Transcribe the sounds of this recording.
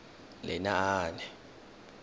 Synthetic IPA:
lɛ̰naaːnɛ

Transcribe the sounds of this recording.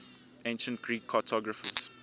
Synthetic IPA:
ẽnʃə̃ntkʰɹiːkʰːɔtʰɔɡɹəfə̰s

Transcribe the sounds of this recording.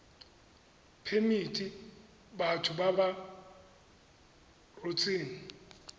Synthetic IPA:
pʰemitʼi | batʰʊbaba | rot͡sʼiːni

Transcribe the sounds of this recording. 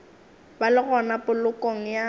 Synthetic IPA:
balɪɣɔnapʼʊlʊkɔŋ̩ja

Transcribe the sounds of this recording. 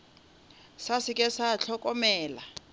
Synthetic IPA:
sasikʼɛsaɬʰɔkʼɔmɛːla̰

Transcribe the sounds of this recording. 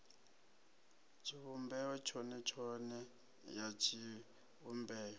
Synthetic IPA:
t͡ʃʰiβumbɛɔt͡ʃʰɔnɛt͡ʃʰɔnɛ | jat͡ʃʰi | umbɛːɔ

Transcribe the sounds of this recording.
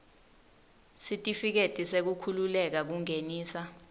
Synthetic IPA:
sitʼifik̬etʼisek̬ukʰululɛk̬ak̬uŋeniːsa

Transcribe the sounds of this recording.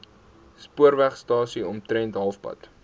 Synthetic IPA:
spuəɾvæχstɑːsiɔmtɾɛntɦɐlˠfpɐ̰t

